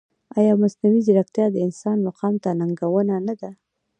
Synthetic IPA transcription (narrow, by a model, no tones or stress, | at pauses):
ɑjɑmasnawiziɾakt̪jɑd̪əɪnsɑnmaqɑmt̪anaŋɡawənanad̪a